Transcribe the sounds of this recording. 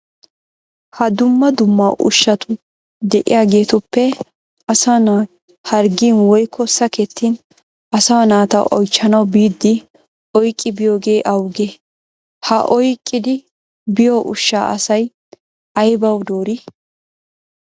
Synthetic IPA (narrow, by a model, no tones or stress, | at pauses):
hɐd̪ʊmːɐd̪ʊmːɐʔʊ̰ʃːɐt̪ʊ | d̪ɛʔɪ̰jaːɡe̞ːt̪ʊpːɛ | ɐsɐnaː | hɐɾɡiːnwɔjkʰːɔsɐkɛt̪ʰːiːn | ɐsɐwɐnaːt̪ɐ̰ʔɔjt͡ʃːɐnɐwbiːd̪ːɪ | ɔjkʼːɪbɪjoːɡe̞ːʔɐwɡe | hɐʔɔjkʼːɪd̪ɪ | bɪjoʔʊʃːa̰ːʔɐ̰sɐj | ʔɐjbɐwd̪oːɾi